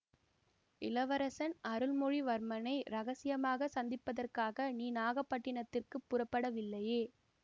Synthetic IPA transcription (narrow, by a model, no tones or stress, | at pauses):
ɪlɐʋɐɾɐsɐnɐɾɯlmɔɻiʋɐɾmɐnɐɪɾɐɣɐsɪjɐmaːɣɐsɐnd̪ɪpːɐðɐrkaːɣɐniːnaːɣɐpːɐʈːɪɳɐt̪ːɪrkɯpːʊrɐpːɐɽɐʋɪlːɐjeː